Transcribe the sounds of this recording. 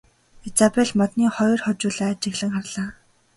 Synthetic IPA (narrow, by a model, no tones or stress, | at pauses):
et͡sapeɮmɔt̪niːχɔjrχɔt͡ɕʊːɮaːt͡ɕɪ̆ɣɮɘ̆ŋχarɮaː